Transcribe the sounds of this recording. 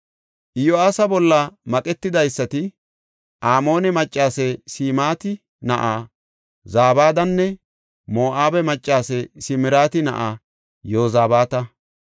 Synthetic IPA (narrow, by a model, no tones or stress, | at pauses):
ʔɪjoaːsɐbɔlːɐmɐkʼɛt̪ːɪd̪ɐjsːɐt̪ɪ | ʔaːmo̞ːnɛmɐt͡ʃʼːaːsɛsiːmaːt̪ɪ | nɐʔaː | zaːbaːd̪ɐnːɛ | mo̞ːʔaːbɛmɐt͡ʃʼːaːsɛsɪmɪɾaːt̪ɪnɐ̰ʔa | joːzaːbaːt̪ɐ